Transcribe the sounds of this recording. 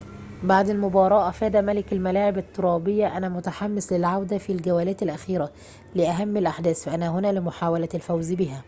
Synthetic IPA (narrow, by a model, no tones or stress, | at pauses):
baʕd̪ɪlmʊbɑːɾˤɑːʔæfæːd̪æmælɪkælmælaːʕɪbɪt̪ːoɾˤɑːbɪjːæʔænæmʊt̪aħamːɪslɪlʕawd̪æfilɡæwæːlæːt̪ælʔæxiːɾæ | lɪʔæɦæmːɪlʔaħd̪æːsfæʔænæɦʊnæːlɪmʊħaːwælælfæwzbiɦæ